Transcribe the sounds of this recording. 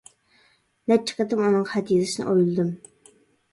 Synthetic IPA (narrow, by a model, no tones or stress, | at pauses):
nɛt͡ʃʰːɪ̥qət̪ɨmunɨŋχɛt̪jezɨʃinɨ̰ʔojlˠɨd̪ɨm